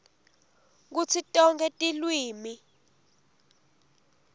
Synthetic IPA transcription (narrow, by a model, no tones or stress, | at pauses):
k̬ut͡sʰitʼɔŋkʼɛtʼilwiːmi